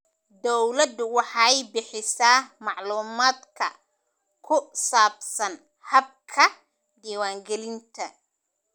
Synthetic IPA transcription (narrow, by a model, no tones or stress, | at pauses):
d̪ɔwlɐd̪wɑħɑːɛjbɪħɪsaːmɑʕluːmaːd̪kʰɐ | kʰʊsaːbsɐn | hɐb̚kʰɐ | d̪iːwaːŋɡɛlɪnt̪ʰɐ